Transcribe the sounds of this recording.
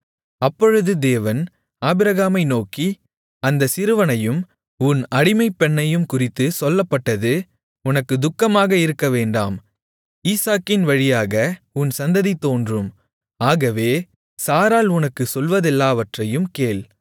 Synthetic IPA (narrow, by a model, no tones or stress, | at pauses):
ɐpːɔɻɯðɯd̪eːʋɐn | aːbɪɾɐɣaːmɐɪnoːki | ɐnd̪ɐsɪɾɯʋɐnɐjɯm | ʊnɐɽɪmɐɪpːɛɳːɐjɯmkʊrɪt̪ːɯsɔlːɐpːɐʈːɐðɯ | ʊnɐkːɯd̪ʊkːɐmaːɣɐɪɾɯkːɐʋeːɳɖa̰ːm | iːsaːkɪnʋɐɻɪjaːɣɐʊnsɐnd̪ɐðit̪ːoːndrɯm | aːɣɐʋeː | saːɾaːlʊnɐkːɯsɔlʋɐðɛlːaːʋɐʈrɐjɯmkeːl